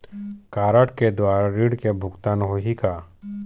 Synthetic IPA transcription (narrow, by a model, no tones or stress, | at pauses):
kaːɾaʈked̪waːɾaɾiːɽkebʱʊɡt̪aːnɦoɦikaː